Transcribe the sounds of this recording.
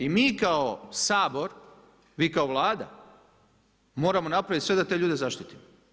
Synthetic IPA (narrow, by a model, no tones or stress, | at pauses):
imiːkaosaːbo̞ɾ | ʋiːkaoʋlˠaːd̪a̰ | mo̞ːɾamo̞napɾaʋit̪ʲsʋe̞d̪at̪e̞ːʎuːd̪e̞zaʃt̪it̪imo